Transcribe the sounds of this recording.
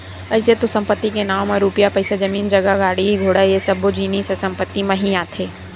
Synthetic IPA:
ɐɪset̪osɐ̃mpət̪ːikenaːmẽɾuːpijapɐɪsad͡ʒɐmiːnd͡ʒɐɡaɡaːɽiɡʱoːɽajesɐbod͡ʒiːnissɐ̃mpət̪ːimɐ̃ɦiaːt̪ʰeː

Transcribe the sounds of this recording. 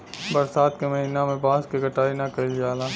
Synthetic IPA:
bɐɾsaːd̪kemɐɦiːnamẽbãːskeɡʱɐʈaːinakɐid͡ʒaːlaː

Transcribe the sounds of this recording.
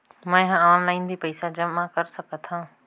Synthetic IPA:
mãːɪɦãaːnlaːĩnd̪iːpɐisad͡ʒəmːãkəɾsəkʰət̪ʰãː

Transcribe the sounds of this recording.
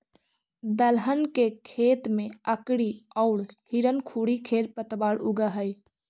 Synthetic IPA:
d̪əlɦənkekʰeːt̪mẽəkɽiɔʊɽhiɾənkʰuːɽikʰeːɾpət̪baːɽʊɡaɦəj

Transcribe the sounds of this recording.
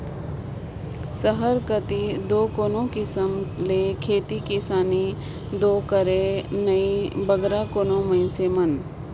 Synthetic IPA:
səɦəɾkət̪id̪oːkoːnõkɪsəmleːkʰeːt̪ikisaːni | d̪oːkəɾenəibəɡɾakoːnõmə̃ɪ̃nsemɐn

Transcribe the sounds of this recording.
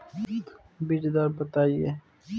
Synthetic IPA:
bid͡ʒd̪aːɾbɐt̪aːie

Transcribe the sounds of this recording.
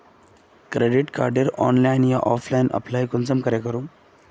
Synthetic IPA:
kɾeɖiʈka̰ɾɖiɾɔ̰nlajnjaʔɔflainʔə̰plaikɔnt͡səmkəɾekəɾũː

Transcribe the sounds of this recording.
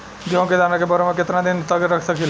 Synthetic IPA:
d͡ʒeɦõked͡ʒanakebəɾemeket̪nad̪int̪əɡɾəkʰsəkil

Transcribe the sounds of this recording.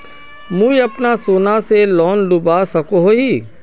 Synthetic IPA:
mũːiɐpnasoːnaselɔːnlʊbasɐkoɦoɦiː

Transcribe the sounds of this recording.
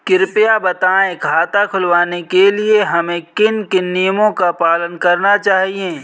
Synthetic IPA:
kɪɾpɪjabɐt̪aːẽkʰaːt̪akʰʊlʋaːnekelieɦɐmẽkɪnkɪnːijəmõkapaːlənkɐɾnat͡ʃaːɦiẽː

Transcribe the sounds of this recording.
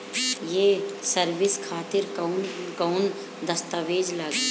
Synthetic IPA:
jeːsəɾʋɪskʰaːt̪ɪɾknkəʊn | d̪ɐst̪aʋeːd͡ʒlaːɡi

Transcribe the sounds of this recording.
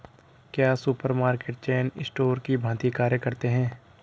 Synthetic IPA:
kjaːsʊpəɾmaːɾkeːʈ̚t͡ʃeːnɪ̰sʈoːɾkibʱãːt̪ikaːɾjəkɐɾt̪eɦɛ̃ː

